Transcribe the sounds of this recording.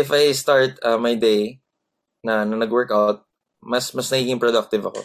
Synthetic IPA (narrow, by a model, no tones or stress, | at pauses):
ɪfajst̪aɹt̪ɐmɐjd̪ej | nɐnɐnɐɡwɛɹkawt̪̚ | mɐsmɐsnɐkiːɡɪŋpɹɔd̪ɐk̚t̪ɪvɐko̰